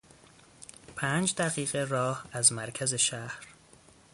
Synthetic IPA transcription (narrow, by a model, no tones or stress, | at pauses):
pʰæːnd͡ʒd̪æɣiːɣe̞rɒːhæzmæɾcʰæze̞ʃæhɾ